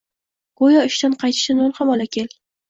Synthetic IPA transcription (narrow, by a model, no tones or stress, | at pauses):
ɡ̥ojaʊʃt̪anqʰɑjt̪ʰɪ̥ʃanolˠχamɒlakʲʰelʲ